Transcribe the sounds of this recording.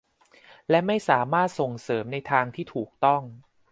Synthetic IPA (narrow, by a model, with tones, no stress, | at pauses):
lɛ˦˥ma˥˩jsaː˩˦maː˥˩t̪̚so˨˩ŋsɤː˩˦mna˧jt̪ʰaː˧ŋt̪ʰiː˥˩t̪ʰuː˨˩k̚t̪ɔ˥˩ŋ